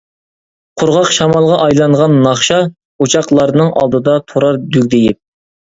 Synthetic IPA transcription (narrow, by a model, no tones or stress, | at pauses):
qʰʊɾʁɑqʃɑmɑlˠʁɑʔɑjlˠɑŋʁɑnːɑχʃɑ | ut͡ʃʰɑqlˠɑɾnɨŋɑ̰lˠd̪ɨd̪ɑt̪ʰoɾɑɾd̪yk̚ʲd̪ejip̚